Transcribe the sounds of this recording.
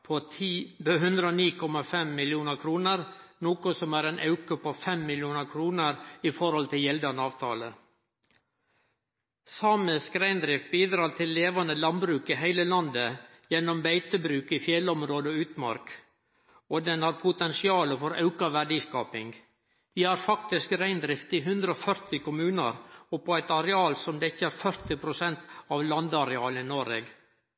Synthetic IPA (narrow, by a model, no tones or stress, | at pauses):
pʰoːt̪ʰiːbəɦʉnd̪ɾəoːniːkʰɔmɑfɛmːɪljuːnəɾkʰɾuːnəɾnoːkʊsɔmæːɾeːnʔɑʉkəpʰofɛmːɪljuːnəɾkʰɾuːnəɾifɔɾhɔlt̪ʰɪljɛld̪ɑnəɑːʋt̪ʰɑ̰ːlə | sɑːməskɾæɪnd̪ɾɪfbiːd̪ɾɑːɾt̪ʰɪlːeːʋɑnəlɑnbɾʉːkɪɦæɪləlɑnd̪ə | jɛnːɔmbæɪt̪əbɾʉːkifjɛlɔmɾoːd̪əɔʉːt̪mɑ̰ɾk | od̪ɛnhɑɾpʰʊt̪ɛnsɪɑːləfɔɾʔɑʉkɑʋæɖiːskɑːpɪŋɡ | ʋiːhɑːɾfɑkt̪ɪskɾæɪnd̪ɾɪft̪ɪɦʉnd̪ɾəɔfœɾt̪ɪkʊmʉːnə̰ɾɔpːɔæɪt̪ɑɾɛɑːlsɔmd̪ɛɪçːəæːɾfœɾt̪ɪpʰɾʊsɛnt̪ɑːʋlɑnd̪əɑɾɛɑːləinoɾḛːɡ